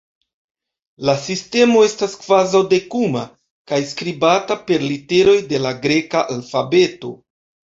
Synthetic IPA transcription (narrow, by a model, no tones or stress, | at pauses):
lasiste̞mo̞e̞staskvazawde̞kuma̰ | kajskɾibatape̞ɾlite̞ɾo̞jde̞laɡɾe̞kaʔalfabe̞to̞̰